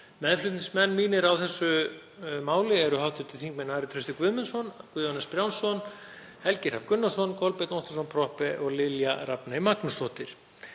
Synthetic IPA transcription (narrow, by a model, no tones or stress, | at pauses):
mɛðlʏt̪nɪnsmɛnːmiːnɪɾawθɛsːʏ | maːwlɪɛɾʏhawt̪ʏt̪ʰɪθiŋkmɛnaːɾɪt̪ʰɾʏst̪ɪkvʏðmɪnsɔnkvʏðanaspɾjawnsɔn | hɛlcɪɾ̥havkʏnːasɔnkʰɔlpɪt̪nɔht̪asɔnpʰɾɔhpɛʔɔɣlɪljaɾapnaimaknʏst̪ɔht̪ɪɾ̥